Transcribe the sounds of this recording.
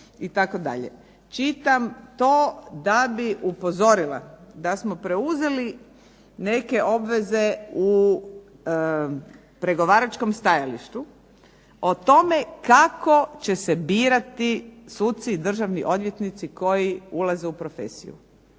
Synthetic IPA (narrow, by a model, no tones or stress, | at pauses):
it̪ako̞d̪a̰ʎḛ | t͡ʃit̪amt̪o̞ːd̪abiupo̞zo̞ɾilˠa̰d̪asmo̞pɾe̞uze̞li | ne̞ke̞ʔo̞bʋe̞ze̞u | pɾe̞ɡo̞ʋaːɾat͡ʃkomst̪ajaliʃt̪u | ot̪o̞me̞kako̞t͡ɕe̞se̞biːɾat̪isuːt̪̚siːd̪r̩ʒaʋniʔo̞d̪ʋje̞t̪nit̪siko̞jiulazeupɾo̞fe̞̰sḭjṵ